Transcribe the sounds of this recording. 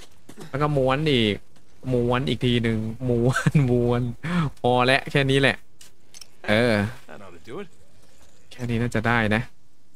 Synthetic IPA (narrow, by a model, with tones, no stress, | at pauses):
lɛ˦˥kɔː˥˩mu˧˥ənʔiː˨˩k̚ | mu˧˥ənʔiː˨˩k̚t̪ʰiː˧nɯ˧ŋmu˧˥nmuː˧˩ənmɔː˧lɛ˦˥ʔkʰɛː˥˩niː˦˥lɛ˨˩ʔ | ʔɤː˧ | kʰɛː˥˩niː˦˥naː˥˩t͡ɕa˨˩daː˥˩jna˦˥ʔ